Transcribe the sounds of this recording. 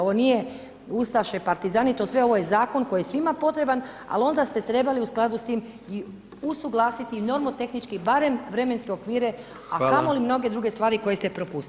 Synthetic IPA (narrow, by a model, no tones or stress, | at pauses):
oʋonije̞ | ust̪aʃepaɾt̪izaːnit̪osʋe̞o̞ʋo̞jezaːko̞nkojijesʋimapo̞t̪ɾe̞ban | a̰lo̞nd̪ast̪e̞t̪ɾe̞baliusklˠad̪ust̪iːm | i | usuɡlˠaːsit̪ino̞ɾmot̪e̞xnit͡ʃkibaɾemʋɾe̞menske̞o̞kʋiːɾe̞ | a̰kamo̞limno̞ɡe̞d̪ɾuɡe̞st̪ʋaːɾiko̞jest̪epɾo̞pust̪i